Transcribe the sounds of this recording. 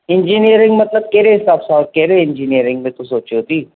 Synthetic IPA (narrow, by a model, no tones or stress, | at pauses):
ɪnd͡ʒiːnijəɾɪ̃ŋɡmɐt̪ləb̚keːɾeːɦɪsaːbsaːkkɛːɾeɪnd͡ʒiːnijəɾɪ̃ŋɡmẽt̪osoːt͡ʃiɦoːt̪iː